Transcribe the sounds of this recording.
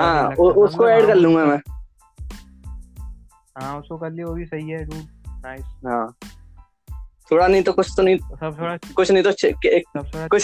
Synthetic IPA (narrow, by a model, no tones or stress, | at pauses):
ɦãːʊʊskoɛːɖkɐɾlũːɡaɦãmɛ̃ː | ɦãːʊskokɐɾlieʋoːbʱisɐɦiɦɛɖuːɾnaɪsɦãː | t̪ʰoːɽanɐɦĩt̪okʊt͡ʃʰt̪onɐɦĩ | kʊt͡ʃʰnɐɦĩt̪oʃʰeekʊt͡ʃʰ